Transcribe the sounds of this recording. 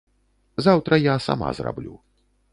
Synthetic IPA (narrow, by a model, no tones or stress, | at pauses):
zawt̪ɾɐjasa̰ma̰zra̰blʲṵ